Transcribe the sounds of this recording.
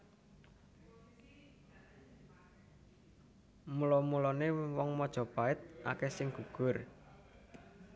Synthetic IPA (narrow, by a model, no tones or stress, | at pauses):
mulɔmulɔnewɔŋmɔd̥ʒ̥ɔ̤paɪt̪̚ʔa̰kɛsɪŋɡ̥uɡ̥ʊr